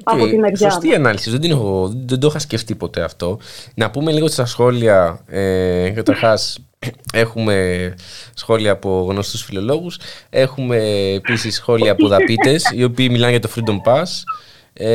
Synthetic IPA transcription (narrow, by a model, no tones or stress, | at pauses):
oeinɐost̪iɐnɐlisizðe̞d̪inexoɣoðed̪oxɐsceft̪ipo̞t̪e̞ɐft̪o̞nɐpume̞liɣot̪st̪ɐsxo̞liɐekɐt̪ɐɾxɐs | e̞xume̞ | sxo̞liɐːpo̞ɣno̞st̪usfilo̞lo̞ɣuse̞xume̞ːpisisːxo̞liɐːpoðɐpit̪e̞sio̞piːmilɐnʝɐt̪o̞fɾid̪o̞mpɐs | e